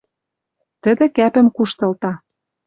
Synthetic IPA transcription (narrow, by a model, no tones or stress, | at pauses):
t̪ə̆d̪ĕkæpɘ̆mkuʃt̪ɤ̆lt̪ɑ